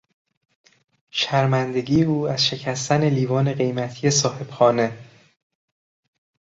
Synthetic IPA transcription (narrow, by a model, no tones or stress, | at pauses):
ʃæɾmænd̪e̞ɡiːeuːæzʃe̞cʰæst̪æne̞liːvɒːne̞ɢe̞jmæt̪ʰije̞sɒːhe̞b̥xɒːne̞